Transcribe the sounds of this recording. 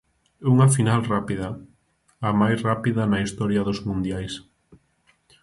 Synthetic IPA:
uŋafinalrapiða | amajsrapiðɐnaist̪ɔɾjɐðʊzmũnd̪jajs

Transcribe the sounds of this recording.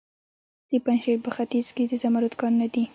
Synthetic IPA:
d̪̥əpanʃeɾpəxat̪izked̪əzamaɾʊt̪kɑɾunad̪i

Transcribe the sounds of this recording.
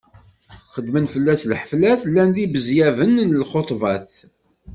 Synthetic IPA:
χəd̪ːmənfəlːæslħəflæθlːænðibəzjævənnəlχot̪ˤvɑθ

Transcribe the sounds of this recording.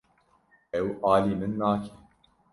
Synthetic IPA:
ʔɛwʔaːliːmɨnːaːkʰɛ̥

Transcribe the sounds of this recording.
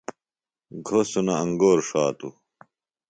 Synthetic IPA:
ɡʱosunɐɐŋɡoːɾʂaːt̪u

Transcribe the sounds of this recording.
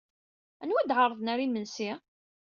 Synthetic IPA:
ænwæd̪ʕɑrˤːəðˤnæɾimənsi

